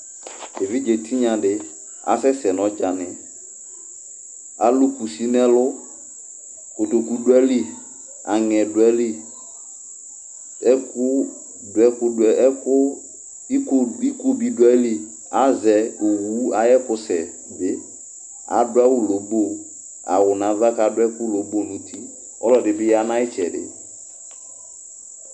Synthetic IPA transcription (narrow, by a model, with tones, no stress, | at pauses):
de˨vi˦d͡ʒe˨tʰi˦ɲã˨dɪ˦ | a̰˨˦sɛ˦sɛ˨n˨ɔ̃˨˦t͡ʃa˨nɪ̃˨ | a˨lu˦ku˨si˨˦nɛ˦lʊ˦ | kʊ˨to˨ku˨˦dwɛ˦li˦ | a˨ŋɛ˨dʊ˨ɛ˦li˦ | ɛ˦kʊ˦ | dʊ˨ɛ˨˦kʊ˨ɛ˨˦kʊ˦ | i˦ki˦ko˦bi˨dwɛ˦li˦ | a˨˦zɛ˨ʊ˨wu˨˦a˦jɛ˦kʊ˨sɛ˨ | dɪ˦ | a̰˨dʊ˦a˦wu˦lo˨bo˦˨ | a̰˨wʊ˨nã˨va˦ka˨dʊ˦ɛ˦kʊ˦lo˨bo˦˨nũ˨tʰi˦ | ɔ˦lɔ˨dɪ˨bɪ˦ja˦nã˦ɪ˦t͡ʃɛ˨dɪ̰˨